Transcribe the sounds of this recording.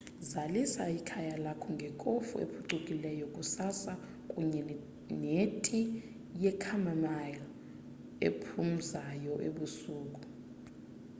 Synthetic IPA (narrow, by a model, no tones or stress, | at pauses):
zalisaikʰajalakʰɔŋɡʱɛkʼofṵḛpʰuǁukʼilɛjɔkʼusasa | kʼuɲɛ | netʰʼi | jɛkʰamamajl | ḛpʰum̩zajɔʔḛɓusuːkʼu